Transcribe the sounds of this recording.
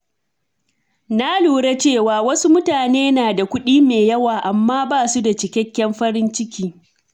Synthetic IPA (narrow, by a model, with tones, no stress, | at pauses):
na˦luː˨ɽe˦t͡ʃeː˦˨waː˨wɐ˦su˦mʊ˦taː˨neː˦naː˨da˨kʷʊ˦ɗiː˦meː˨jɐ˦waː˨ʔa˨mːaː˦baː˦˨su˦da˨t͡ʃɪ˨kʲɛ˦kʲːɛ˦mɸɐ˦ɾɪ˦nt͡ʃɪ˦kʲiː˦